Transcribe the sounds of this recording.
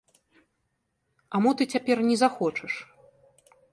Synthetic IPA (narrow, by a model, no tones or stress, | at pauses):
amut̪ɨt͡sʲapʲɛrnʲɛzaxɔt͡ʂɐʂ